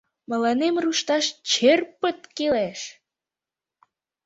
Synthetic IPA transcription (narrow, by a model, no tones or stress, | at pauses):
mə̆lɑnemruʃt̪ɑʃt͡ɕerpət̪keleʃ